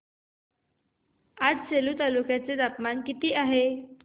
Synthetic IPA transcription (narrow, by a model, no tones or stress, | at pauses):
ad͡zɕeluːt̪alukjat͡sed̪apmankit̪iːʔaɦe